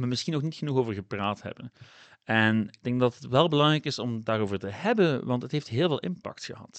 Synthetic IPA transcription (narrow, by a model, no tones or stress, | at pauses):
məmɪsxinːɔxnitxənuxoːvəɹɣəpraːthɛ̰bən | ɛnɪɡ̚d̥ɛŋk̚dɑtətʋɛlˠbəlɑŋrɛjkɪsɔmdaːroːvəɹtəɦɛbənʋɑntɦətɦejftɦɪːlˠveːlˠʔɪmpɑ̰k̚txə̰ɦɑ̰t